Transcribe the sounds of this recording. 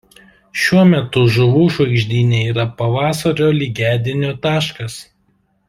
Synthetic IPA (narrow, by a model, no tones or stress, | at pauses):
ʃʲuɔmʲɛt̪ʊʒʊʋuːʃɐɪɡʒʲd̪ʲiːnʲeːiːɾɐpɐʋɑːsɐɾʲoːlʲiːɡʲæːd̪ʲɪnʲoːt̪ɑːʃkɐs